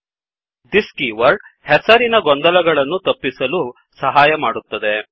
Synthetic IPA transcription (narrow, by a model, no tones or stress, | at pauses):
d̪iskiʋɐɾɖ | hɛsɐɾinɐɡɔnd̪ɐlɐɡɐɭɐnːut̪ɐpːisɐlu | sɐɦaːjɐmaːɽut̪ːɐd̪e̞